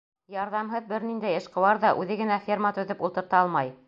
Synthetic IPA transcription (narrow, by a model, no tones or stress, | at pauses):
jɑɾðɑmɦɤðbɘɾnind̪æjɤ̆ʃqɤ̆wɑɾðɑʔʉðɘɡɘ̆næfʲermɑt̪ɵ̆ðɘpulˠt̪ɤ̆ɾt̪ɑɑlˠmɑj